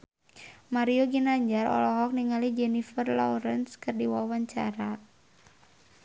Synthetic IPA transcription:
maɾioɡinaɲd͡ʒaɾɔ̰lɔɦɔk̚niŋalid͡ʒɛnifərlɔ̰ɾənskɨrdiwawaɲt͡ʃa̰ɾa

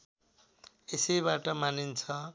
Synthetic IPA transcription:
esejβaʈʌmanint͡sʰʌ

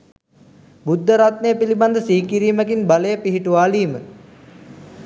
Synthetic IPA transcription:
bud̪ʱːəɾat̪nejəpiliband̪əsiːkiɾiːməkinbaləjəpiɦiʈuʋaːliːmə

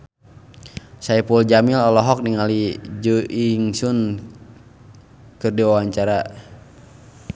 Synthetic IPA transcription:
saipuld͡ʒamilɔlɔɦɔk̚niŋalid͡ʒuʔiŋsun | kɨrdiwawaɲt͡ʃaɾa

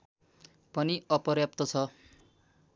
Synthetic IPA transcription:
pʌniʌpɔɾjap̚t̪ɔt͡sʰʌ

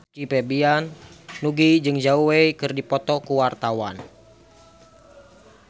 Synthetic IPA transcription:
kipɛbianːuɡid͡ʒɨŋd͡ʒauweikɨrdipɔt̪ɔkuwart̪awan

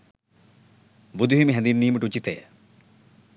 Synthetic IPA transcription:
bud̪ʱuɦimiɦɛnd̪inːiːməʈut͡ɕit̪ejə

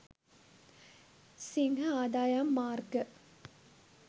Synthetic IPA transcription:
siŋɦəaːd̪aːjamːaːrɡə

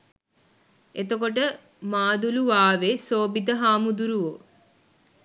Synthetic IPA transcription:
et̪əkoʈ̬ə | maːd̪uluʋaːʋesoːbid̪əɦaːmud̪uɾuʋo

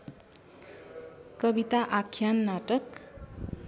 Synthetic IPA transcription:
kʌbit̪aʔakʰjanːaʈʌk

